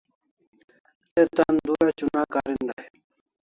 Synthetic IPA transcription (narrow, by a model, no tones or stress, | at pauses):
et̪and̪ujat͡ɕunaːkaːɾind̪aj